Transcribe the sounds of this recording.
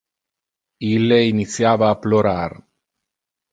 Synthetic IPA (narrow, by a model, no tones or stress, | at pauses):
ileinisjaβaːploɾaɾ